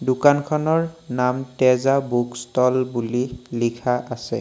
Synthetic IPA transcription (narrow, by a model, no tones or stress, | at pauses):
dʊkankʰɔnɔɹnamtɛzabukstɔlbulilikʰaʔasɛ̰